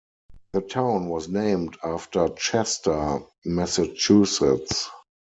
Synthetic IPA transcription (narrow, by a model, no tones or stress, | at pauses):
ðətʰãʊ̃nwɔsnẽɪ̃mdaftə˞t͡ʃɛstə˞ | mɛsat͡ʃusɪts